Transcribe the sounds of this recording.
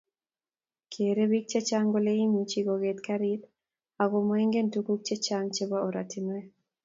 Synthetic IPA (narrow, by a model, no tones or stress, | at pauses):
kʰeɾebik̚t͡ʃet͡ʃaŋɡoleimit͡ʃiɡɔɡet̪kaɾit̪ | aɡomɔeŋɡentukuk̚t͡ʃet͡ʃaŋt͡ʃebaoɾatinwɛ